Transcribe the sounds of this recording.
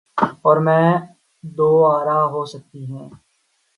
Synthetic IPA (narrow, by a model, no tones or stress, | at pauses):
ɔːɾmɛ̃ː | d̪oːaːɾaːɦoːsək̚t̪iɦɛ̃ː